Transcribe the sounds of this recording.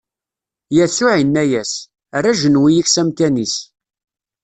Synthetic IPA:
jæsʊʕinːæjæs | rːæʒənwijiçsæmt̪ænis

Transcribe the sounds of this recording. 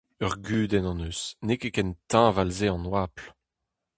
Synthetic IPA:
œʁɡyːd̪ɛnɑ̃nøsnekekɛnt̪ɛ̃valzeɑ̃nwaːpl

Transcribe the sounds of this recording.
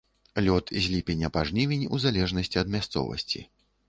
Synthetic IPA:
lʲɔt̪zʲlʲipʲenʲːɐpaʐnʲivʲinʲuzalʲɛʐnɐsʲt͡sʲiɐd̪mʲast̪sɔ̰vɐ̰sʲt͡sʲḭ

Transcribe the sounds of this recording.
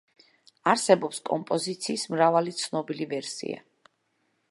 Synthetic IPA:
aɾsɛbɔpskʼɔmpʼɔzit̪sʰiːsmɾavalit̪sʰnɔbilivɛɾsḭa̰

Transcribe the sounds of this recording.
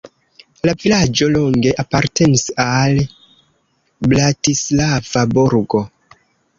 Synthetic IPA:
lavilad͡ʒo̞loŋɡe̞ʔapaɾte̞nisal | blatislav̥abuɾɡo̞

